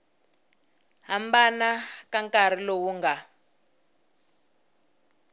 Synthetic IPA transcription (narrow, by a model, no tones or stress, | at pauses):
ɦambanakaŋkar̤ilowuŋɡa